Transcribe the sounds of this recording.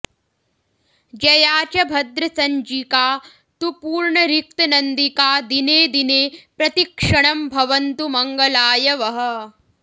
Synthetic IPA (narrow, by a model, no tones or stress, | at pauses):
d͡ʒɐjaːt͡ʃɐbʱɐd̪ɾɐsɐɲd͡ʒikaː | t̪upuːɾɳɐɾik̚t̪ɐnɐnd̪ikaːd̪ineːd̪ineːpɾɐt̪ikʂɐɳɐmbʱɐʋɐnt̪umɐŋɡɐlaːjɐʋɐɦɐ̆